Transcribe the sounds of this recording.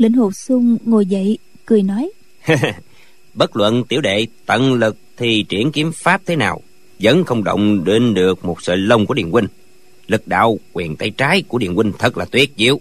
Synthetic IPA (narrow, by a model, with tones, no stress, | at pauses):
lḭ˧˨ŋ̟ho˨˩p̚sʊ˧ŋ͡mŋo˨˩jzə̰˧˨j | kɨ˨˩əjnɔ˨˦j | h | ɓə˦˥t̚lwə̰˧˨nt̪i˧˩əwɗḛ˧˨t̪ə̰˧˨nlɨ˨˩k̚t̪ʰi˨˩t͡ɕi˧˩ənki˨˦əmfaː˦˥p̚t̪ʰe˨˦naː˨˩w | zə̰˧˨˦nxə˧wŋ͡mɗə̰˧˨wŋ͡mɗe˧nɗɨ˨˩ək̚mo˨˩t̚sə̰ː˧˨jlə˧wŋ͡mku˧˩ɗḭ˧˨ənkwï˧ŋ̟ | lɨ˨˩k̚ɗa̰ː˧˨wkwɛ˨˩nt̪a˧jt͡ɕaː˨˦jku˧˩əɗḭ˧˨ənkwi˧ŋ̟t̪ʰə˨˦˩t̚laː˨˩t̪wi˦˥ət̚zi˧˦əw